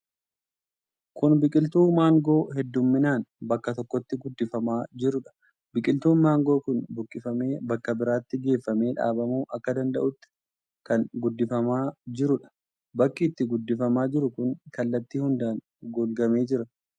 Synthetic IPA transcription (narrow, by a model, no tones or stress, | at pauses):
kʊnbɪkʼɪlt̪uːmaːŋɡo̞ːhɛd̪ːʊmːɪnaːnbɐkːɐt̪ɔkːɔt̪ːɪɡʊd̪ːɪfɐmaːd͡ʒɪɾʊᶑɐ̥ | bɪkʼɪlt̪uːnmaːŋɡo̞ːkʊnbʊkʼːɪfɐmeːbɐkːɐbɪɾaːt̪ːɪɡe̞ːfːɐme̞ːᶑa̰ːbɐmuːʔɐkːɐd̪ɐnd̪ɐ̰ʔʊt̪ːɪ̥ | kɐnɡʊd̪ːɪfɐmaːd͡ʒɪɾʊᶑɐ̥ | bɐkːiːt̪ːɪɡʊd̪ːɪfɐmaːd͡ʒɪɾʊkʊnkɐlːɐt̪ːiːhʊnd̪aːn | ɡoːlɡɐme̞ːd͡ʒɪɾɐ